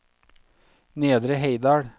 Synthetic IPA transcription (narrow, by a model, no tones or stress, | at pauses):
neːd̪ɾəɦeɪd̪ɑːɽ